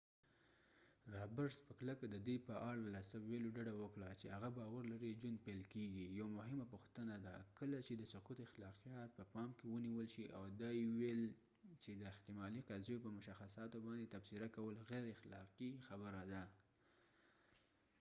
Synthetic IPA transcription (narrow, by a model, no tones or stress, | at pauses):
ɾɑbəɾspəkləkad̪əd̪ujpəʔaɽalasəweloɖaɖawəkɽat͡ʃehaɣabɑwaɾlaɾid͡ʒwand̪̚palkeɡijawamʊɦɪmapʊxt̪ənad̪akəlat͡ʃed̪əsʊqut̪axlɑqijɑt̪̚pəpɑmkewəniwəlʃiʔawd̪ajwel | t͡ʃed̪əɪht̪ɪmɑliqazjopəmʊʃaxasɑt̪obɑnd̪et̪afsɪɾakawəlɣɛɾɪxlɑqixabəɾad̪a